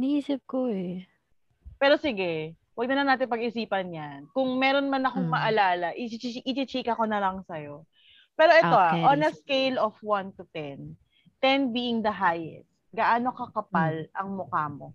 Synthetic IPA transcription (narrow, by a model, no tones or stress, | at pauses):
nɐiːsɪp̚koɛ | pɛːɾo̞sɪɡɛ | wɐɡ̚nɐnɐnaːt̪̬ɪnpɐɡɪsiːpɐnjankʊŋmɛːɾonmɐnɐkoŋmɐʔɐlaːlɐʔɪt͡ʃit͡ʃiʔɪt͡ʃit͡ʃiːkɐko̞nɐlɐŋsɐjo̞ | pɛːɾo̞ʔɛt̪oaʔonɐskejlofwant̪ʊt̪ɛn | t̪ɛnbiːʔɪŋd̪ɐɦajɛ̰st̪̚ɡɐʔaːno̞kɐkɐpalʔɐŋmokaːmo̞